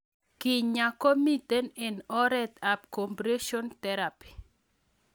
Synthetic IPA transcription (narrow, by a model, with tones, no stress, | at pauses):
kɪ˨ɲa˨ko˦mi˦tɛ˦nɛ˨nɔ˦ɾɛ˦t̪a˨pkɔ˨mpɾe˦ʃɔ˦nt̪ɛɾapi̥˨